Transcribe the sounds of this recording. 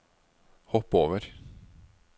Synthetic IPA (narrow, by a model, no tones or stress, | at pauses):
hɔpːoːʋəɾ